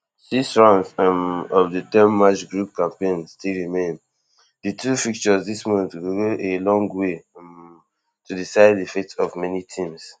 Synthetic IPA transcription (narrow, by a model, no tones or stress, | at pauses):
sisɹãnsɔfdətɛ̃nːat͡ʃɡɹup̚kãmpẽnstilɹimẽn | dɨtʰufik̚t͡ʃɔzdismɔ̃tɡoɡoʔelɔ̃ŋɡwe | tudisaɪdifetɔvmɛnitʰĩms